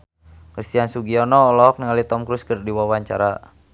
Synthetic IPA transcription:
kɾist̪iansuɡiɔnɔːlɔɔk̚niŋalit̪ɔmkɾuskərdiwawaɲt͡ʃa̰ɾa

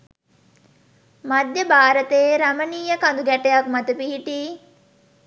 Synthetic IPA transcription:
mad̪jəbaːɾət̪eːɾaməniːjəkand̪uɡæʈejak̚mat̪əpiɦiʈiː

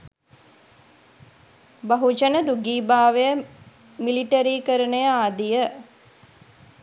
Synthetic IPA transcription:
baɦud͡ʒənəd̪uɡiːbaːʋejə | miliʈəɾiːkəɾənəjəaːd̪ijə

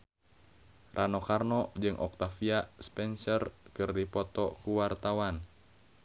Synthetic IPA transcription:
rʔanɔkarnɔd͡ʒɨŋʔɔ̰k̚t̪afiaspɛnsərkɨrdipɔt̪ɔkuwart̪awan

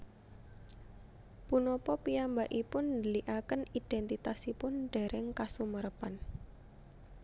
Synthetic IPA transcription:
punɔpɔpiambaʔipʊnd̪əliʔakənid̥ɛnt̪it̪asipʊnɖ̥ɛ̤ɾɛŋkasuməɾəpan

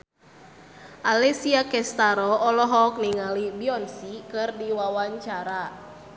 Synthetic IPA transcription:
ʔalɛsiakɛst̪aɾɔːlɔɦɔk̚niŋalibiɔnsikɨrdiwawaɲt͡ʃaɾa

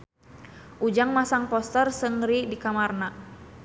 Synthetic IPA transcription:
ʔud͡ʒaŋmasaŋpɔst̪ərsəŋɾidikamarna

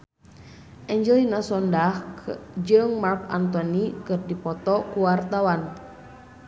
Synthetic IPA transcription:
ʔɛɲd͡ʒɛlinasɔndahd͡ʒɨŋmarka̰nt̪ɔnikɨrdipɔt̪ɔkuwart̪awan

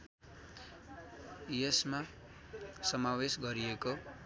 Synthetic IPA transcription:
jesma | sʌmawesɡʌɾieko

